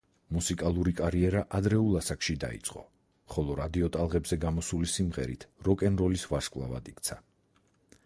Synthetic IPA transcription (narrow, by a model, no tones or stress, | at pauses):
musikʼalˠuɾikʼaɾiɛɾaʔad̪ɾɛulˠasakʰʃid̪a̰ḭt̪sʼqʼɔ̰ | χɔlˠɔɾad̪iɔt̪ʼalˠʁɛbzɛɡamɔsulisimʁɛ̰ɾit̪ʰɾɔkʼɛnɾɔlisvaʃkʼvlˠa̰va̰d̪ikt̪sʰa